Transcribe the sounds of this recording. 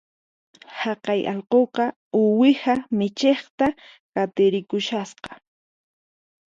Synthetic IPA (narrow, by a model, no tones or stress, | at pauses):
hɑqɑjʔɑ̰ʎqoqɑ | ʊwɪhamɪt͡ʃeχt̪a | kat̪ɪɾɪkʊʃasqɑ̥